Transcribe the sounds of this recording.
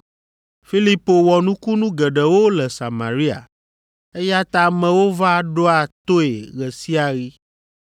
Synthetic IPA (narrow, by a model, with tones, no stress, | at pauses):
fi˦li˦po˨wɔ˨nũ˦ku˦nũ˦ɡɛ˨ɖɛ˨wo˦lɛ˨sa˨mã̰˨ɾi˦a̰˨ | e˦ja˦t̪a˦mɛ̃˨wo˦va˦ɖo˦a˨t̪o˦e˨ɣɛ˨si˦a˨ɣi˦